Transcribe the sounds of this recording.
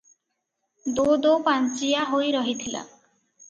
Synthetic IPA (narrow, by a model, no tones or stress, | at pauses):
d̪od̪opant͡ʃijaɦojɾɔɦit̪ʰila̰